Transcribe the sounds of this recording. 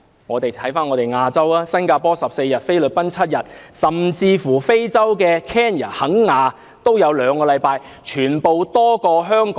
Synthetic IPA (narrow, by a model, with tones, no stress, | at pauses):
ŋɔː˨˧t̪e˨jt̪ʰɐ˨˥jfaː˥nŋɔ˨˧t̪e˨jŋaː˧t͡sɐ˥waː˥sɐ˥nkaː˧pɔː˥sɐ˨p̚se˧jjɐ˨˩t̚fe˥jlɵ˨t̚pɐ˥nt͡sʰɐ˥t̚jɐ˨t̚sɐ˨mt͡siː˧fuː˨˩fe˥jt͡sɐ˥wkɛː˧kʰɛː˥njaː˨˩hɐ˨˥ŋːaː˨˧ | t̪o˥wjɐ˨˧wlœː˨˧ŋkɔː˧lɐ˨˧jpaː˧j | t͡ʃʰyː˨˩npo˨wt̪ɔː˥kɔː˧ɦœː˥ŋkː